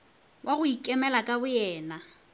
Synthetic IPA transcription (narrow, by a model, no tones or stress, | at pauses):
wʔaɣʊikʼɛmɛlakʼabʊjɛːna